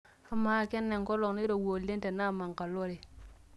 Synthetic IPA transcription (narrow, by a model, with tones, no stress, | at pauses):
a˦ma˦˨ke˦nːe˨ŋko˦lo˨kni˦ɾo˨wo˨le˦nte˨na˦˨ma˨ŋka˨lo˦ɾe˨